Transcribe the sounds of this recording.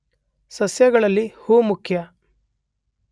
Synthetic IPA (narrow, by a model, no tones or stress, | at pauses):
sɐsjɐɡɐɭɐlːihuːmukʰjɐ